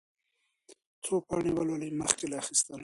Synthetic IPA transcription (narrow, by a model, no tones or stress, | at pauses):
t͡sopɑɳiwaloliməxkelaːxist̪əl